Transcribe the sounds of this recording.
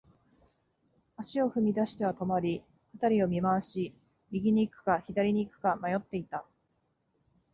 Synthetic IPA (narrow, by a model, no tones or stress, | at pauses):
aɕio̞ɸɯ̟mʲid̪aɕi̥t̪e̞βat̪o̞moɾʲi | kat̪aɾʲio̞mʲimaaɕi | mʲiɡʲiɲ̟iːkɯ̟̥kaçid̪aɾʲiɲ̟iːkɯ̟̥kamajo̞t̪ːe̞it̪a